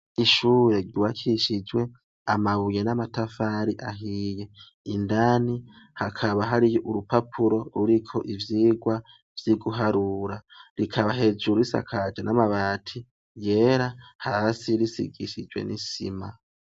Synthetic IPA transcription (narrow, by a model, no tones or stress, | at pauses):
iʃuːɾe̞ɾɟiwakʰiʃid͡ʒwe̞ | amaβuje̞namatafaɾiʔaɦije̞ | indani | hakʰaβaɦaɾiʔuɾupapʰuɾo̞ɾuɾikʰo̞ʔivjiːɡwa | vjiɡuɦaɾuɾaɾikʰaβaɦe̞d͡ʒuɾuisa̰kʰad͡ʒanamaβaːtʰi | je̞ɾahasiɾisḭɡiʃid͡ʒwḛnisḭma